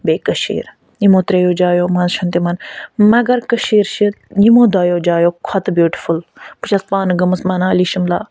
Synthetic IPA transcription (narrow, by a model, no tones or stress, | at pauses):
beːkɐʃḭːɾ | nimõːt̪ɾejoːd͡ʒaːjoːmɐ̃nzʃɐnt̪imɐnmɐɡɐɾkɐʃiːɾʃi | jimõːd̪aːjoːd͡ʒaːjoːkʰɔt̪bjuːʈi̥fulput͡ʃʰɐspaːnɡɐmɨsmɐnaːliːʃimla̰ː